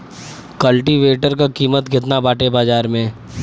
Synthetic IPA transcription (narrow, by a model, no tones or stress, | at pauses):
kəlʈiʋeːʈəɾkakiːmət̪ɡʱɪt̪nabaːʈebaːd͡ʒaːɾmẽ